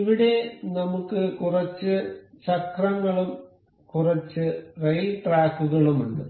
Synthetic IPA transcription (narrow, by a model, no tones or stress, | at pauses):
iʋiɽe̞nɐmukːɨkurɐt͡ɕːɨt͡ɕɐkrɐŋːɐɭum | kurɐt͡ɕːɨrejʈraːkːuɣɐɭumuɳɖɨ